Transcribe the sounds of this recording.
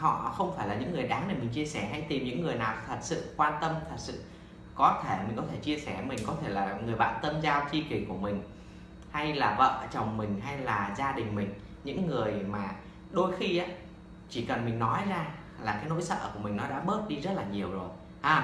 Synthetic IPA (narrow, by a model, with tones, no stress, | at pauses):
hɔ̰˧˨xə˧wŋ͡mfaː˧˩jlaː˨˩ɲɨ̰˧˥ŋːɨ˨˩əjɗaː˨˦ŋne˨˩mï˨˩ŋ̟t͡ɕi˧əsɛ˧˩ɦa˧jt̪i˨˩mɲɨ̰˧˥ŋːɨ˨˩əjnaː˨˩wt̪ʰə˨˩t̚sɨ̰˧˨kwaː˧nt̪ə˧mt̪ʰə˨˩t̚sɨ̰˧˨ | kɔ˨˦t̪ʰe˧˩mï˨˩ŋ̟kɔ˨˦t̪ʰe˧˩t͡ɕi˧əsɛ˧˩mï˨˩ŋ̟kɔ˨˦t̪ʰe˧˩laː˨˩ŋɨ˨˩əjɓa̰ː˧˨wt̪ə˧mzaː˧wt͡ɕi˧ki˨˧˩ku˧˩əmï˨˩ŋ̟ | ha˧jlaː˨˩və̰ː˧˨t͡ɕə˨˩wŋ͡mmï˨˩ŋ̟ɦa˧jlaː˨˩zaː˧ɗï˨˩ŋ̟mï˨˩ŋ̟ | ɲɨ̰˧˥ŋːɨ˨˩əjmaː˨˩ | ɗo˧jxi˧ʔaː˨˦ | t͡ɕi˧˩kə˨˩nmï˨˩ŋ̟nɔ˨˦jzaː˧ | laː˨˩kaː˨˦jno̰˧˥jsə̰ː˧˨ku˧˩əmï˨˩ŋ̟nɔ˨˦ɗa̰ː˧˥ɓəː˦˥t̚ɗi˧zə˦˥t̚laː˨˩ɲi˨˩əwzo˨˩j | ʔaː˧˩